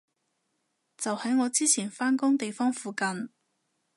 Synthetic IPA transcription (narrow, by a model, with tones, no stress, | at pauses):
t͡sɐ˨whɐ˨˥jŋɔː˨˧t͡siː˥t͡sʰiː˨˩nfaː˥nkʊ˥ŋt̪e˨jfɔː˥ŋfuː˨kɐ˨n